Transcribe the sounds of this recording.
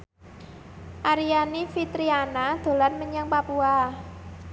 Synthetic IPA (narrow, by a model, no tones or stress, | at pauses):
ʔaɾianifit̪ɾianad̪̥o̤lanməɲaŋpapua